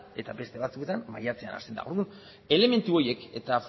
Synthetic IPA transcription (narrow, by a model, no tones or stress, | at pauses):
e̞t̪abe̞st̪e̞βat͡sue̞t̪amːajat͡se̞a̰na̰t̪e̞nd̪a̰o̞ɾðun | e̞le̞me̞nt̪uo̞je̞ke̞t̪af